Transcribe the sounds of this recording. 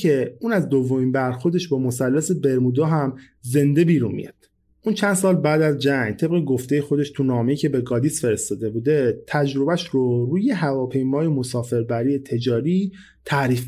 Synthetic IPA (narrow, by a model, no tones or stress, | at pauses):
e̞uːnæzd̪ovːo̞miːnbæɾxo̞ɾd̪e̞ʃbɒːmo̞sælːæsebe̞ɾmuːd̪ɒːɦæm | ze̞nd̪e̞biːɾunmḭjɑ̰d̪̥ | ʔuːnt͡ʃʰænd̪s̬ɒːlbæːd̪æzd͡ʒæŋt̪ʰe̞bɣeɡo̞ft̪ejexo̞d̪e̞ʃt̪ʰunɒːme̞icʰe̞beɡɒːd̪isfe̞ɾe̞st̪ɒːd̪e̞buːd̪e̞t̪ʰæd͡ʒɾo̞bæʃɾoɾuːje̞ɦævɒːpʰe̞jmɒːje̞mo̞sɒːfe̞ɾbæɾiːjet̪ʰe̞d͡ʒɒːɾiː | t̪ʰæɾiːf